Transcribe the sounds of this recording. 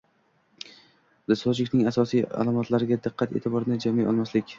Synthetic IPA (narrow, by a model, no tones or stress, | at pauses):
d̪ɪsɒt͡ʃɪkʲnɪŋasɒsija̰lˠamɒt̪ʰlaɾɪɡʲad̪ɪqʰːɑt̪ʰḛt̪ʰɪbɒɾɪnɪd͡ʒamijɒ̰lˠmaslɪkʲ